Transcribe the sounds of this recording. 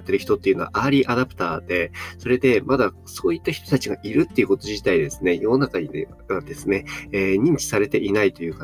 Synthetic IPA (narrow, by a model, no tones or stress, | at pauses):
t̪ːe̞ɾɯ̟çi̥t̪o̞t̪ːe̞iɯ̟noa̰ʔaːɾʲiʔad̪apɯ̟̥t̪aːd̪̥e̞so̞ɾe̞d̪e̞mad̪a | so̞ːit̪ːaçi̥t̪o̞̥t̪at͡ɕiɡaʔiɾɯ̟t̪ːe̞iɯ̟ko̞t̪o̞ʑit̪aid̪e̞sɨ̥ne̞jo̞nakaɲ̟i | βad̪e̞sɨne̞ːɲ̟ĩɲ̟t͡ɕi̥saɾe̞t̪e̞ʔinait̪o̞jɯ̟ːka